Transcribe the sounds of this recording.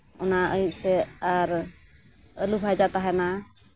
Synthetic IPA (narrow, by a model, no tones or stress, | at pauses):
ɔnaəit̪̚ˀsɛaɾ | əlubʱad͡ʒat̪aɦɛna